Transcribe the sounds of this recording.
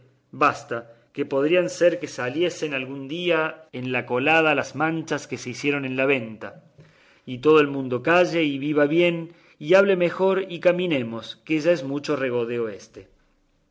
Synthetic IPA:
bast̪a | ke̞po̞ðɾianseɾke̞salje̞se̞nalɣund̪iaenlako̞lað̞alazmãnt͡ʃaske̞se̞isje̞ɾo̞nẽ̞nlaβ̞e̞nt̪a | it̪o̞ð̞oe̞lmũnd̪o̞kaʒe̞iβiβ̞aβje̞n | iaβle̞me̞xo̞ɾikamĩne̞mo̞skeʒae̞zmut͡ʃo̞reɣ̞o̞ðe̞oe̞st̪e̞

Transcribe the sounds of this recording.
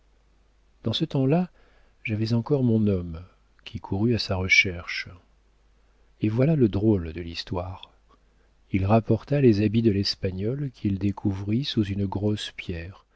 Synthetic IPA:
d̪̥ɑ̃sət̪ɑ̃la | ʒavɛzɑ̃kɔʁmɔ̃nɔm | kʲʰikʰuʁyasaʁəʃɛʁʃ | evwalaləd̪ʁold̪əlist̪waːʁ | ilʁapɔʁt̪alezabid̪əlɛspaɲɔlkʲʰild̪ekʰuvʁisuzynɡʁɔspjɛʁ

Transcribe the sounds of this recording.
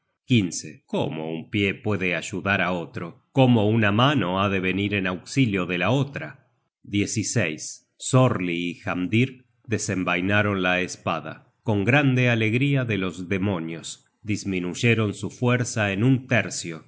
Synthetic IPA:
kinseko̰mo̞̰umpjepwe̞ðeaʒuðaɾao̞t̪ɾo̞ko̞mo̞unamano̞aðe̞β̞e̞niɾenawksiljo̞ðelao̞t̪ɾa | d̪je̞sisejsː | o̞ɾliːxamd̪iɾ | ðe̞sembajnaɾo̞nlaespa̰ða̰ | ko̞ŋɡɾand̪eale̞ɣɾiaðelo̞zðe̞mo̞njos | d̪izmĩnuʒeɾo̞nsufweɾsaenunt̪eɾsjo̞

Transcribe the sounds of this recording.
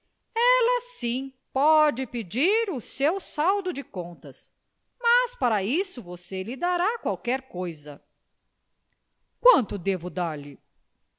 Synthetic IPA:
ɛlɐsĩpɔd͡ʒɪped͡ʒiɾʊsewsawd̪ʊd͡ʒɪkõnt̪ɐs | mɐspaɾɐisʊvoselɪd̪aɾakwawkɛɾkojzɐ | kwɐ̃nt̪ʊd̪evʊd̪aɾlɪ

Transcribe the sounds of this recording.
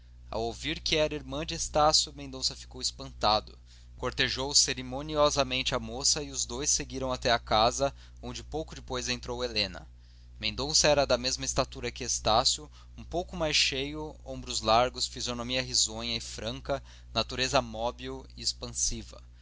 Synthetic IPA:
a̰wowviɾkɪɛɾɐiɾmɐ̃d͡ʒɪest̪asjʊmẽd̪õsɐfi̥kowispɐ̃nt̪ad̪ʊ | koɾt̪eʒowseɾemoniɔzɐmẽnt͡ʃɪɐmosɐiʊzd̪ojsːeɡiɾɐ̃w̃at̪ɛɐkazɐ | õnd͡ʒɪpowkʊd͡ʒɪpojzẽnt̪ɾowelẽnɐ̰ | mẽnd̪õsɐɛɾɐd̪ɐmezmɐist̪at̪uɾɐkɪest̪asjʊ | ũpowkʊmajsʃejʊõ̰bɾʊzlaɾɡʊsfizonomiɐɦizõɲɐɪfɾɐ̃ŋkɐ | nat̪uɾezɐmɔbiwiespɐ̃sivɐ

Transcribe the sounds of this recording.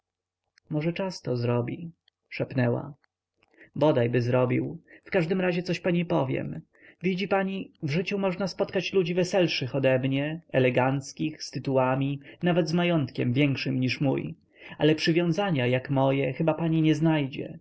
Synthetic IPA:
mɔʐɛt͡ʂast̪ɔzɾɔbʲi | ʂɛpnɛwa̰ | bɔd̪ajbɘzɾɔbʲḭwfkaʐd̪ɘmɾaʑɛt̪sɔɕpaɲipɔvʲjɛ̰m | vʲid͡ʑipaɲivʐɘt͡ɕumɔʐnaspɔt̪kat͡ɕlud͡ʑivɛsɛlʂɘxɔd̪ɛmɲɛɛlɛɡant̪skʲixst̪ɘt̪uwamʲinavɛd̪zmajɔnt̪kʲɛmvʲjɛŋkʂɘmɲiʂmṵj | a̰lɛpʂɘvʲjɔ̃w̃zaɲajakmɔjɛxɘbapaɲiɲɛznajd͡ʑɛ̰

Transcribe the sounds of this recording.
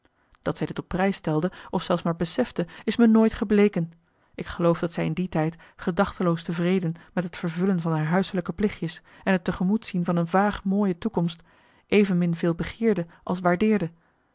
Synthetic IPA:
d̥ɑtsɛjdɪtɔpːrɛjstɛlˠdəɔfsɛlˠsmaːɹbəsɛfdəɪsmənoːjtχəblejkən | ʔɪkχəlowfdɑtsɛjɪnditɛjt | χədɑχtəlowstəvrejdənmɛtɦətfəɹvɵlənvɑnɦaːɹɦœɥsələkəplɪχjəs | ɛnɦətəχəmutsinvɑnənvaːχmoːjətukɔmst | ʔejvənmɪnvɪːlˠbəχɪːɹdəʔɑ̰lˠsʋaːɹdɪːɹdə

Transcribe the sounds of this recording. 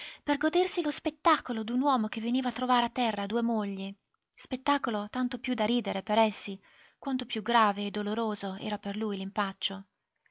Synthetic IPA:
perɡod̪ersilospet̪ːaːkolod̪unwɔːmok̟evːeniːvat̪ːɾovaːɾeat̪ːɛrːad̪uːemoʎːe | spet̪ːaːkolot̪ant̪opjud̪aɾiːd̪eɾepeɾɛsːi | kwant̪opjuɡɾaːveːd̪ːoloɾoːzoɛ̰ːɾaperlujlimpat͡ʃːo

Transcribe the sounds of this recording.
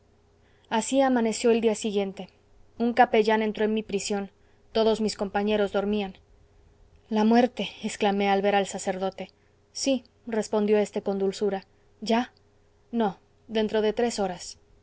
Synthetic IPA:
asiamãne̞sjo̞e̞ld̪iasiɣje̞nt̪e̞ | ũŋkape̞ʝane̞nt̪ɾo̞enmipɾisjo̞n | t̪o̞ðo̞zmisko̞mpaɲe̞ɾo̞zðo̞ɾmian | lamwe̞ɾt̪e̞eksklame̞alβe̞ɾalsase̞ɾðo̞t̪e̞ | si | re̞spo̞nd̪jo̞e̞st̪e̞ko̞nd̪ulsuɾa | ʝa | no̞ | ðe̞nt̪ɾo̞ðe̞t̪ɾe̞so̞ɾas

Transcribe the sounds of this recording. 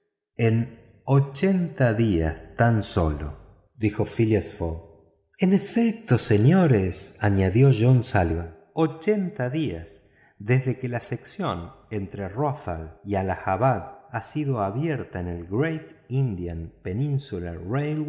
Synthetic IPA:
en | ot͡ʃe̞nt̪aðiast̪anso̞lo̰ | d̪ixo̞filasfoɣ | enefek̚t̪o̞se̞ɲo̞ɾesaɲaðjoʒonsalβa | ot͡ʃent̪aðiaz | ðezðe̞kelaseksjo̞ne̞nt̪ɾeroθalialaxaβaɣasiðo̞aβjeɾt̪aenelɡɾejt̪ind̪janpe̞nĩnsularejlw

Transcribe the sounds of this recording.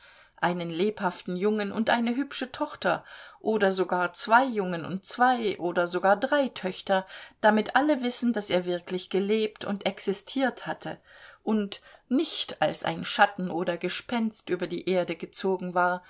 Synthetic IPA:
ʔaɪnənleːphaftn̩jʊŋənʊ̰ntʔaɪnəɦʏpʃətʰɔχtɐʔoːdɐzoɡaːɐt͡sv̥aɪjʊŋənʊ̰nt̚t͡sv̥aɪʔoːdɐzoɡaːɐdʁaɪtʰœçtɐd̥amɪtʔaləvɪsn̩daseːɐvɪɐklɪçɡ̥əleːp̚tʰʊ̰ntʔɛksɪstʰiːɐthatʰəʔʊntnɪçta̰lsʔa̰ɪnʃatn̩ʔoːɾɐɡəʃpɛnstʔyːbɐdḭːʔeːɐdəɡət͡soːɡŋ̩vaːɐ

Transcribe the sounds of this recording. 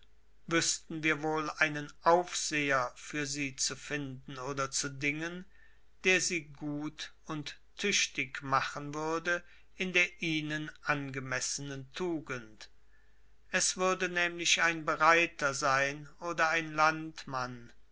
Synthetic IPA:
vʏstn̩viːɐvoːlaɪnənʔaʊfz̥eːɐfyːɐziːt͡sufɪndn̩oːdɐt͡sudɪŋən | d̥eːɐziːɡuːt | ʊntʰː | ʏʃtɪkmaχənvʏɐdə | ɪndeːɐʔiːnənʔanɡəmɛsənəntʰuːɡənt | ʔɛsv̥ʏɐdənɛːmlɪʃaɪnbəʁaɪtɐzaɪnoːdɐaɪnlantman

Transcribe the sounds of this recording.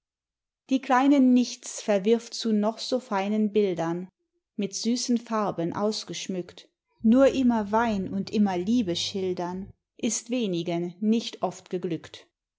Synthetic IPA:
d̥iːkl̥aɪnənːɪçt͡sfɛɐvɪɐftt͡sunɔχz̥oːfaɪnənbɪldɐn | mɪtz̥yːsn̩faɐbənʔa̰ʊsɡ̥əʃmʏkt | nuːɐʔɪmɐvaɪnʊntʔɪmɐliːbəʃɪldɐn | ʔɪstv̥eːnɪɡənnɪçtʰʔɔftɡ̥əɡlʏkt

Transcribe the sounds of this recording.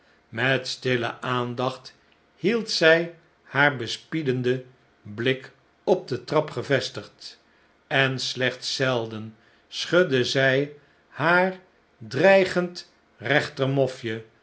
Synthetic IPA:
mɛtstɪlə̰ʔaːndɑχt | hilˠtsɛj | haːɹbəspidəndə | blɪk | ɔb̚dətrɑpχəvɛstəχt | ɛnslɛχtsɛlˠdən | sχødəzɛj | haːr | drɛjχənt | rɛχtərmɔfjə

